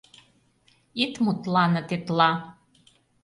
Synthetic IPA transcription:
it̪mut̪lɑnɤ̆t̪et̪lɑ

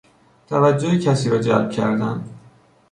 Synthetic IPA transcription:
t̪ʰævæd͡ʒːohecʰæsiːɾɒːd͡ʒæ̰lb̥̚cʰæɾd̪ænd̪

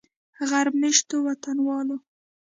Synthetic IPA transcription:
ɣaɾbmɪʃt̪owat̪anwɑlo

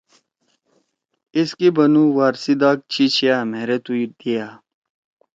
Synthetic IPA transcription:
iskibɐnuwaːɾsid̪aːk̚t͡ɕʰit͡ɕʰijaːmeːɾet̪uid̪ijaː

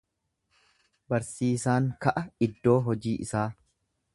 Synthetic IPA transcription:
bɐɾsiːsaːŋkɐʔɐɪd̪ːo̞ːɦɔd͡ʒiːʔɪ̰saː

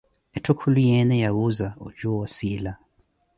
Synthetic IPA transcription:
etʰokʰulujenejaβuzao̰d͡ʒuwosila

